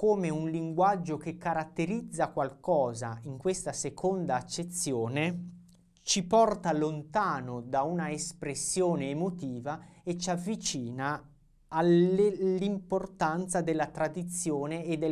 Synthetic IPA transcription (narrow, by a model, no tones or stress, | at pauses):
koːmeunliŋɡwad͡ʒːokekːaɾat̪ːeɾid̪zːakwalkɔːza̰iŋkwest̪asekʰond̪aːt͡ʃːet̪sːjoːne | t͡ʃipɔrt̪alont̪aːnod̪aunaespɾesːjoːneːmot̪iːvaet͡ʃavːit͡ʃiːnaː | llimport̪ant̪sad̪elːat̪ɾad̪it̪sːjoːneːd̪ːe